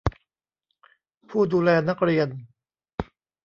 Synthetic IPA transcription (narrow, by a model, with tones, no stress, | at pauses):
pʰuː˥˩duː˧lɛː˧na˦˥k̚ɾi˧ən